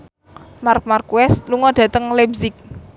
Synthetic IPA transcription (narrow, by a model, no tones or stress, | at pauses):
mark̚markuɛsluŋɔd̥ä̤t̪əŋlɛbzɪk̚